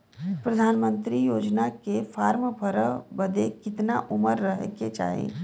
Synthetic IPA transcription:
pɾɐd̪ʱaːnmə̃nt̪ɾijoːd͡ʒnakefaːɾmbʱəɾəbɐd̪ekɪt̪naʔʊməɾːəɦket͡ʃa̰ːɦḛ̃ː

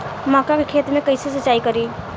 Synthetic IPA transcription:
mãːkakekʰeːt̪mẽkəɪsesət͡ʃːaːikəɾi

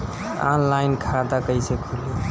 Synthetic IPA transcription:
a̰nlajnkʰad̪akəjsʰekʰuli

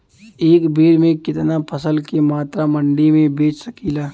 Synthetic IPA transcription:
eːkbʱiːɾmẽkɪt̪napʰɐsəlkemaːt̪ɾamɐ̃ɳɖimẽbeːt͡ʃʰsɐkiːlaː

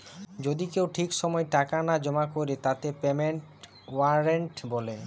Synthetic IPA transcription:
d͡ʑod̪ikewʈʰikʃɔmɔeʈakanad͡ʑɔmakoɾet̪at̪epemeɳʈ | waɾeɳʈbɔle

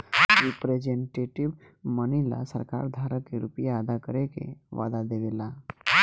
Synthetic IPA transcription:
ɾipɾed͡ʒeɳʈeʈiʋ | mənila̰sə̰ɾka̰ɾd̪ʱaɾəkːeɾupijaːd̪akəɾekḛʋa̰d̪ad̪eʋela

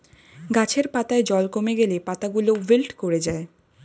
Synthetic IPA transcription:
ɡat͡ɕʰeɾpat̪aed͡ʑɔlkomeɡelepat̪aɡulobilʈkoɾed͡ʑae

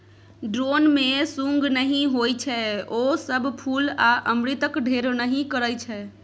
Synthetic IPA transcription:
ɖɾonmẽsũŋɡnəɦĩɦojt͡ʃʰɛosəbʱpʰulaʔəmɾit̪əkɖʱeɾnəɦĩkəɾəjt͡ʃʰɛ

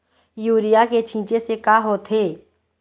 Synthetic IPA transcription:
juːɾɪjaket͡ʃʰĩːt͡ʃesekaɦoːt̪ʰɦeː

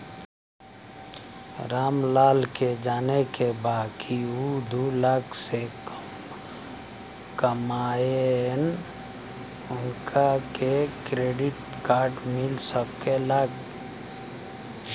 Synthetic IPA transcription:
ɾaːmlaːlked͡ʒaːnekebaːkʰiud̪ulakʰsek | m | kəmaːen | ʊŋkʰakekɾeɖɪʈ | kaːɾʈmɪlsəb̚keləɡ

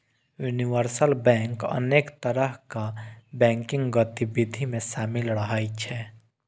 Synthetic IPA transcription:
juniʋəɾsəlbɛ̃ːŋkə̰neːkt̪əɾəɦkabɛ̃ːŋkɪ̃ŋɡɡət̪ibɪd̪ʱimẽʃaːmɪlɾəɦaːit͡ʃʰɛː

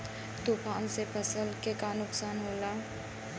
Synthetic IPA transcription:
t̪uːpʰaːnsepʰəsəlkekanʊksaːnɦoːlaː

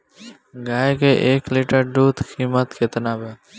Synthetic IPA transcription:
ɡaːjekeʔeːkliːʈəɾɖuːt̪kʰiːmət̪kʰet̪ənaːbeː

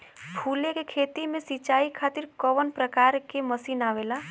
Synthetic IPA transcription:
pʰulekekʰet̪imẽsit͡ʃaikʰat̪iɾkəʋənpɾəkaɾkeməsinaʋela

